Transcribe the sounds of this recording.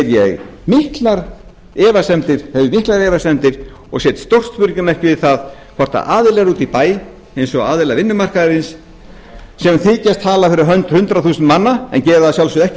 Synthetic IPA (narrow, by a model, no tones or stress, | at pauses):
ɾjɛ̰ɣmɪhk̪laɾ | ɛːvasɛmt̪ɪɾ̥hɛvɪmihk̪laɾɛːvasɛmt̪ɪɾ̥ | ɔɣsɛːt̪st̪owr̥st̪pʏɾcʏmɛhcɪvɪðθaðkʰɔr̥t̪a̰ʔaːðɪlɛɣaɾuːt̪ipaːj | ejnsɔɣaːðɪlavɪnːʏmar̥kaðɪɾɪnsː | ɛmθiːcast̪ʰːaːlafɪɾɪɾɦœɥnt̪hʏnt̪ɾaθuːsʏnmanːaɛ̰ncɛːɾðasjawlsʏðɛhc